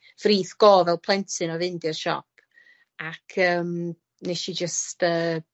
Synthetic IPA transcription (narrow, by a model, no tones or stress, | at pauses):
friːθɡ̥ɔːvɛlˠpʰlˠɛntʰɨnɔvɪndiəʃɔ̰pʰ | akʰəːm | neʃid͡ʒəstəː